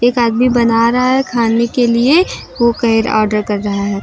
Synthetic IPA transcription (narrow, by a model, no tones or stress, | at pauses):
eːkaːd̪mibɐnaːɾɐɦaɦɛkʰaːnekelie | ʋokɐɦɪɾɔ̰ːɾɖəɾkɐɾːɐɦaɦɛː